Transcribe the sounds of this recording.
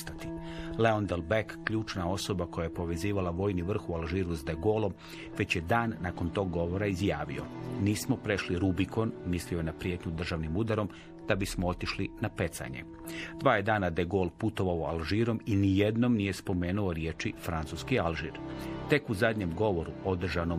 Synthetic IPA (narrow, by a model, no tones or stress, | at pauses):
st̪at̪ile̞ond̪elbekːʎuːt͡ʃnao̞so̞bako̞jajepo̞ʋe̞ziːʋalaʋo̞ːjniʋr̩xualˠʒiːɾuzd̪eɡo̞lˠo̞m | ʋe̞t͡ɕje̞d̪aːnːako̞nt̪o̞ːɡːo̞ʋo̞ɾaizjaːʋḭo̞̰niːsmo̞pɾe̞ʃliɾubiko̞nmisliojenapɾjet̪ɲud̪r̩ʒaʋnimud̪aɾo̞m | d̪̥abismoot̪iʃlinape̞t̪sa̰ɲḛ | d̪̥ʋaːjed̪aːnad̪eɡoːlˠput̪o̞ʋaoa̰lˠʒiːɾo̞minije̞d̪no̞mnije̞spo̞me̞ːnuo̞ɾje̞ːt͡ʃifɾant̪suskialˠʒḭɾt̪e̞kuzad̪ɲemɡo̞ʋo̞ɾuo̞d̪r̩ʒano